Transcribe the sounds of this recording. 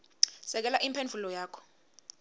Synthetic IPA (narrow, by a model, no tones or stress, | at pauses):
sɛk̬ɛlaʔimpʰend͡vʱulɔjaːkʰɔ̥